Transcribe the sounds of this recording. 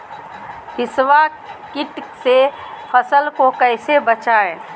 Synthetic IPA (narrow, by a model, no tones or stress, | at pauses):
hiswa | kiʈsepʰəsəlkokəjsebət͡ʃae